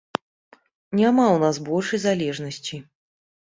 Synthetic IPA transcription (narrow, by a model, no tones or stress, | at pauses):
nʲamawnasbɔlʲʂɐjzalʲɛʐnɐsʲt͡sʲi